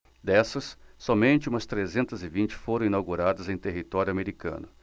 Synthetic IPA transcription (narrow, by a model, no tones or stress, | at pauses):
d̪ɛsɐsːɔmẽnt͡ʃɪũmɐst̪ɾezẽnt̪ɐzɪvĩnt͡ʃɪ̥foɾɐ̃inawɡuɾad̪ɐzẽj̃t̪eɦit̪ɔɾjʊameɾikɐ̰̃nʊ